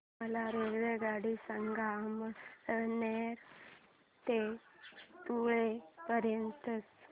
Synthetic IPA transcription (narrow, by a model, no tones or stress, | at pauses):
məlaɾeɾʋeɡaɽisəŋɡamb | neɾ | t̪e | t̪uɭepəɾjənt̪ət͡s